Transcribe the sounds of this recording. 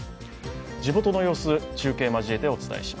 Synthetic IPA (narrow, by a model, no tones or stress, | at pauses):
d͡ʑimo̞t̪o̞no̞jo̞ːsɨt͡ɕɨːke̞ːmaʑie̞t̪e̞o̞t͡sɨ̥t̪a̰e̞̰ɕi̥ma